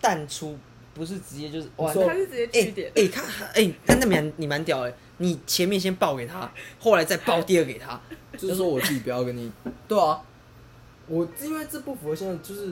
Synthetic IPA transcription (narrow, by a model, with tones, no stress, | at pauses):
t̪a˥˩nʈ͡ʂʰu˥ | pu˧˥ʂ̬ɻ̩˥˩ʈ͡ʂɻ̩˧˥t͡ɕjɛ˧˥t͡ɕjo˥˧ʂ̩˥˧˩ɔ˥˩˧t͡ɕɛ˥e˥˩˥e˥˩k̪ʰa˥e˥˩ɪna˥na˥˩a˧˥nni˨˩ma˧˦nt̪jɑ˨˩ʊe˨˦ | ni˨˩t͡ɕʰjɛ˧˦nmjɛ˥˨nɕ̬jɛ˥npɑ˥˧ʊke˨˩ɪt̪ʰa̰˦xo˥˩ʊla˧˦ɪt͡sa˥˧ɪpɑ˥˧ʊt̪jɛ˥˧ə˧ke˨˩ɪt̪ʰa̰˦˥t͡ɕo˥˧ʂ̩˥˧˥wɔ˥wɔ˨˩t͡s̩ʰ˥˩t͡ɕi˨˩pjʊke˧˥˦ni˨˩˦t̪we˥˩ɪɔ˨˩ | wɔ˨˩i˥nwe˥˧ɪt͡s̩˥˧pu˥˩fu˨˩˧ɕɑ˥ŋ˧t͡ɕjo˥˧ʊʂɻ̩˥˩